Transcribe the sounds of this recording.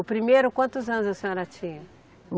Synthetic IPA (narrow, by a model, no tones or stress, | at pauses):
ʊpɾimejɾʊkwɐ̃nt̪ʊzɐ̃nʊzɐsẽɲɔɾɐt͡ʃĩɲɐ